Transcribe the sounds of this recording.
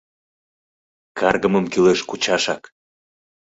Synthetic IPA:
kʰɑrɣəməmkyleʃkut͡ɕɑʃɑk

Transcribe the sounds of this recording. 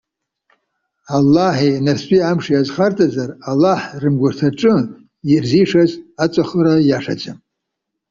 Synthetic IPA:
alːaħinarstʷʼiamʂijazχartʰʼazaralːaħrɨmɡʷʊrtʰaʈ͡ʂʼɨ | irziʂazat͡sʷʼaχəɾajaʂa̰d͡ʒʼam

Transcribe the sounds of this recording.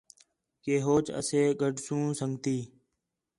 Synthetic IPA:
keːɦoːt͡ʃə̰seːɡəɖʱsũːsəŋɡt̪iː

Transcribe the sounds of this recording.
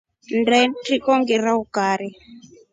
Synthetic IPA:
ndɛtikɔŋɡiɾaukaːɾi

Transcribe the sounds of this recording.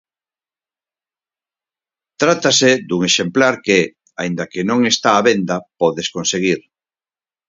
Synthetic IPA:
t̪ɾat̪ased̪uŋeʃemplaɾkeɛ | aind̪ɐkenõŋest̪aːβend̪ɐpɔðeskonseɣ̞iɾ

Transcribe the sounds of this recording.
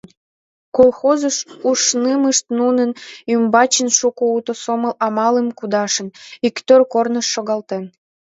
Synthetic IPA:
kolˠxozəʃuʃnɨməʃt̪nunənymbɑt͡ɕənʃukout̪osoməlɑmɑləmkud̪ɑʃənikt̪ørkornəʃːoɣɑlt̪en

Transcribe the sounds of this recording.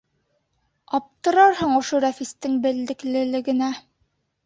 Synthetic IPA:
ɑp̚t̪ɤ̆ɾɑɾhɤɴŏʃoɾæfist̪ɘŋbɘ̆ld̪ɘ̆klɘ̆lɘ̆ɡɘ̆næ

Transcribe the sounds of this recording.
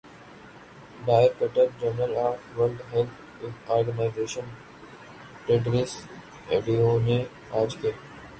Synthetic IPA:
ɖaːɪɾkeʈəɾd͡ʒəɾnəlaːfʋəlɖɦɛlt̪ʰ | ɪɔːɾɡənaɪzeːʃən | ʈeːʈɾɪs | eːɖiomẽ | aːd͡ʒkeː

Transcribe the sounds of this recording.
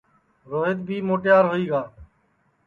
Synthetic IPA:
ɾoːɦɪt̪bʱiːmoːʈjaːɾɦoːiːɡaː

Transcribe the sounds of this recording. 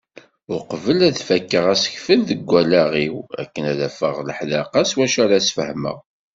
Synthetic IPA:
ʊqvəlæðfækːəʁæsə̥çfəlðəɡʷːælæʁiwæ̰kːənæðæfəʁləħlɑqɑswæʃæɾæsfə̰hmə̰ʁ

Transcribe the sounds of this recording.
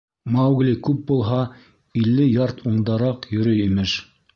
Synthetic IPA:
mɑwɡlʲikʉp̚bulˠɦɑ | ilːɘjɑɾt̪uɴd̪ɑɾɑqjɵ̆ɾɵimɘʃ

